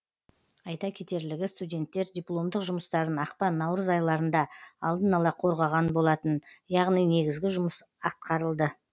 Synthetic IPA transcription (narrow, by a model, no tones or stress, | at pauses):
ɑjt̪ɑkʲʰe̞t̪e̞ɾlɪɡʲɪst̪udʲe̞nt̪ːe̞ɾd̪ʲijplˠo̞md̪əqʒʊməst̪ɑɾənɑqpɑnːɑwɾəzɑjlˠɑɾənd̪ɑɑlˠd̪ənɑlˠɑqʰo̞ɾʁɑʁɑnbo̞lˠɑt̪ənjɑʁnijne̞ɡʲɪzɡʲɪʒʊməs | ɑt̪̚qʰɑɾəlˠd̪ə